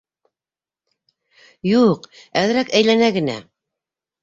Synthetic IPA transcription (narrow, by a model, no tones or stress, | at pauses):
juqæðɘ̆ɾækæjlænæɡɘ̆næ̰